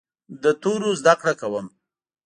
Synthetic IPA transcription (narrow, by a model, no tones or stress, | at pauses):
d̪ət̪oɾozd̪akɽakawəm